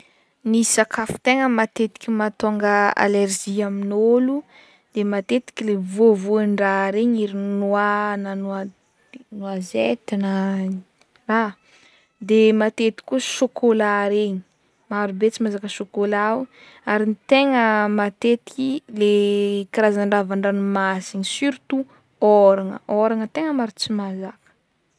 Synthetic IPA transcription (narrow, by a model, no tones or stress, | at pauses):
nisakafu̥t̪eŋəmat̪et̪i̥kʲimat̪oŋɡəa̰leɾʒiaminolu | d̪̥emat̪et̪i̥kʲilevovuanɖ͡ʐaɾeɲiɾinwananwa | nwazet̪inə | ra | d̪emat̪et̪i̥kuʃokʰolaɾeɲi̥ | maɾubet͡simazakəʃokolaw | aɾinit̪eŋəmat̪et̪i̥kilekiɾazaɳɖ͡ʐavaɳɖ͡ʐanumasiɲisyɾut̪u | oɾaŋə̰oɾaŋət̪eŋəmaɾut͡simazakə̥